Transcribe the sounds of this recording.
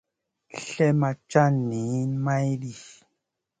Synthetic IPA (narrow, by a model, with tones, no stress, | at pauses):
ɬɛ˦ma˧t͡ʃa˦ni˨˦ma˦jdi˨